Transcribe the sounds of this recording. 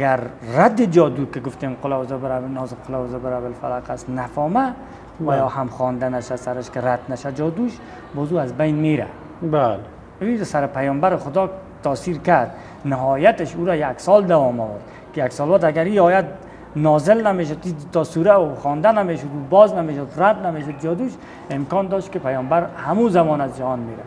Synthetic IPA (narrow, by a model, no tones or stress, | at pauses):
aɡaɾːad̪ːɪd͡ʒɔːd̪uːkɪɡʊft̪emqʊlazɪbɾnzqʰʊlazɪbɪɾabɪlfalaqast̪nafɔːma | wajɔhamχɔːnd̪anaʃasaɾɪʃkɪɾad̪naʃad͡ʒɒːd̪uʃ | bɔːzuːazbajnmeːɾa̰ | bale | usaɾɪpajɔmbaɾɪχʊd̪ɔː | t̪ʰɔːsiɾkaɾd̪̚ | nɪɦɔjat̪ɪʃuɾajaksɔld̪awɒmɔ̰wʊɾd̪ | kɪjaksɔːlwat̪aɡaɾiɒːjat̪̚ | nɔzɪlnameʃ̬od̪it̪ɔsuɾaʊχɔːnd̪anameʃʊd̪ubɔznameʃʊd̪ɾat̪nameʃʊd̪̚d͡ʒɔːd̪uʃ | ɪmkɔnd̪ɔʃt̪kɪpajɔːmbaɾhamuzamɔnazd͡ʒahɔnmeɾa̰